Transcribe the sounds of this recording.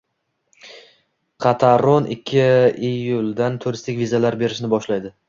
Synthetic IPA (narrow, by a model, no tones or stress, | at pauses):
qʰɑt̪ʰaɾonʔɪ̰kʲʰːɪejʊlˠd̪ant̪ʰʊɾɪst̪ʰɪkʲvizalaɾbe̞ɾɪʃnɪbɒʃlajd̪ɪ